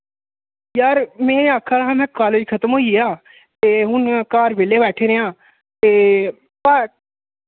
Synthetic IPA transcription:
jaːɾmɛ̃ːaːkʰːaːɾɦãːmɛ̃ːkaːleːd͡ʒkʰət̪əmɦoːiaː | t̪eːɦʊnkaːɾʋeːleːbɛːʈʰeːɾeãː | t̪eː | pa

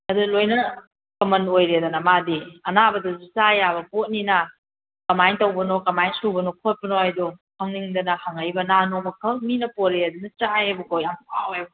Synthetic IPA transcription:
ɐdulojnɐ | kɐmɐnojɾedɐnɐmadiɐnabɐdɐzusajabɐpot̚ninɐ | kɐmajŋtɐwbɐnokɐmajnsubɐnokʰot̚pɐnoajdɔhaŋniŋdɐnɐhaŋajbɐnanomɐkʰɐlminɐpoɾeɐdunɐt͡ʃajebukojampʰawebɐ

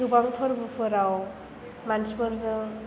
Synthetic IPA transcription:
ubaŋpʰɯɾbɯpʰɯɾaw | mansmɯɾzɯ

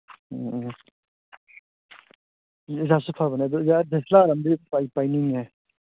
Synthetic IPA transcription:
zasupʰabanad̪ɔzadeslaɾamdiajpajniŋe

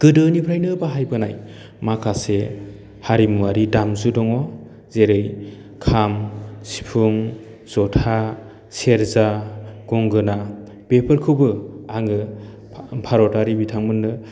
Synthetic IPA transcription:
ɡ̥ɯdɯnipʰɾajnɯbaɦajbɯnaj | makʰase | haɾimuwaɾidamzudɔŋɔ | zeɾej | kʰamsi̥pʰuŋ | z̥ɔtʰa | seɾzaɡ̥ɔŋɡɯna | b̥epʰɯɾkʰɯbɯaŋɯ | pʰaɾɔtaɾibitʰaŋmɯnːɯ

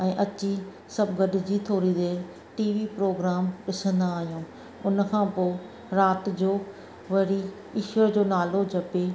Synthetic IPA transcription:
ɛ̃ːʔɐt͡ɕi | sɐbɡɐɖɪd͡ʑiːt̪ʰoːɾid̪e | ʈiːʋipɾoːɡɾaːmɗɪsə̃nd̪aːɦijũː | ʊnə̆kʰãːpoː | ɾaːt̪̆d͡ʑoː | ʋɐɾi | ɪʃəɾd͡ʑoːnaːlod͡ʑʱɐpe

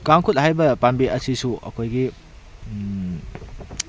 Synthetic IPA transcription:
kaŋkʰut̚hajbɐpanbiʔɐsisuʔɐ̰kʰojɡi

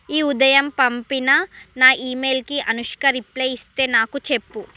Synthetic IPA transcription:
iːud̪ɐjɐmpɐmpinɐnaːʔiːmeːlkiʔɐnuʂkɐɾiplɐjist̪e̞ːnaːkut͡ʃe̞pːu

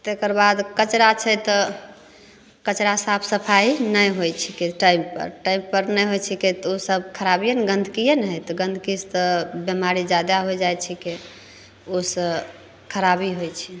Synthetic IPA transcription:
t̪ekəɾbad̪kət͡ʃɾat͡ʃʰɛt̪ɔ | kət͡ʃɾasapʰsəpʰainəjɦojt͡ʃʰikeʈajmpə̰ɾʈaimpəɾnəjɦojt͡ʃʰiket̪osəbkʰəɾabijənɡə̃nd̪ʱkijənɦəjt̪ɔɡə̃nd̪ʱkist̪ɔbemaɾid͡ʒad̪aɦojd͡ʒajt͡ʃʰike | osəb | kʰəɾabiɦojt͡ʃʰi

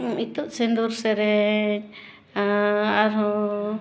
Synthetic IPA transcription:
it̪uʔsɛnd̪uɾsɛɾɛ | aɾɔ̃

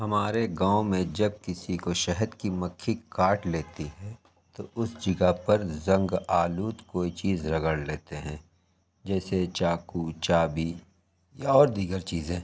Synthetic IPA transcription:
ɦɐmaːɾeɡãːõmẽd͡ʒɐb̚kɪsikoʃɛɦəd̪kimɐkʰːikaːʈleːt̪iɦɛ | t̪oʔʊsd͡ʒɪɡapɐɾzɐ̃ŋɡaːluːt̪koːit͡ʃiːzɾɐɡəɽleːt̪eɦɛ̃ː | d͡ʒɛːset͡ʃaːkut͡ʃaːbi | jaɔːɾd̪iːɡəɾt͡ʃiːzẽː

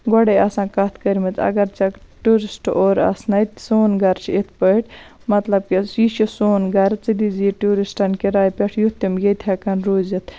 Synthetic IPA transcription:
ɡɔɽeɐsãːkɐt̪ʰkəɾmɐt̪ɐ̰ɡɐɾt͡sɐkʈuːɾisʈoːɾɐ̰snɐt̪soːnɡɐɾt͡ʃʰiet̪ʰpəʈ | mɐt̪lɐb̚kiit͡ʃisoːnɡɐɾt͡sid̪iziʈuːɾisʈɐnkiɾaːjpʲeʈʰjut̪imjet̪ʰhɐkɐnɾoːzit̪ʰ

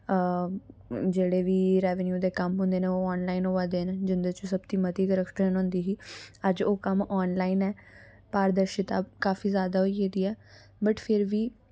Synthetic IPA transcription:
d͡ʒeːɽeːʋiːɾɛːʋənjuːd̪eːkəmɦʊ̃nd̪eːneːoːaːnlaːinɦoːãːd̪eːnd͡ʒɪnd̪ət͡ʃʊsəbt̪iːmət̪iːɡəɾəkʈeːnɦõːnd̪iːɦiːəd͡ʒoːkəmɔːnlaːinɛː | paːɾd̪əɾʃɪt̪aːkaːfiːzjaːd̪aːɦoieːd̪iːɛː | bəʈpʰɪɾʋiː

